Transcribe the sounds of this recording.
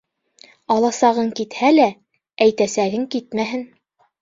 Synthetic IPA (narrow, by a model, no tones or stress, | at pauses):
ɑlˠɑsɑʁɤŋkit̪hælæ | æjt̪æsæɡɘŋkit̪mæɦɘn